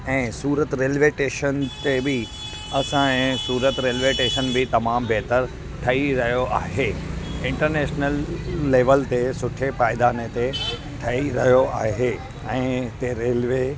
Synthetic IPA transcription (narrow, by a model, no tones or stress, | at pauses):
ɛ̃ːsuːɾət̪ɾeːlʋeʈeːʃənt̪ebɪ | ɐsãɛ̃ːsuːɾət̪ɾeːlʋeʈeːʃənbɪt̪ɐmaːmbeːt̪əɾ | ʈʰɐiɾɐɦijoʔaːɦeɪ̃ɳʈəɾneːʃnəlːeːʋəlt̪esʊʈʰepaːɪd̪aːnet̪e | ʈʰɐiɾɐɦijoaːɦe | ɛ̃ːt̪eɾeːlʋe